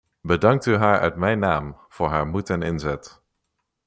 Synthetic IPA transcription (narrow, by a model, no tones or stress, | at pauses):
bədɑŋk̚tyɦaːɹœ̰ɥtmɛjnaːm | v̥ʊːɹɦaːɹmutɛnɪnzɛt